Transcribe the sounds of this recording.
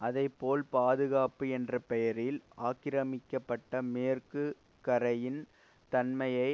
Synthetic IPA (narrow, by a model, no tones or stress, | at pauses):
ʔɐðɐɪpːoːlpaːðɯɣaːpɯɛndrɐpɛjɐɾɪlʔaːkɪɾɐmɪkːɐpːɐʈːɐmeːrkɯ | kɐɾɐjɪn | t̪ɐnmɐjɐɪ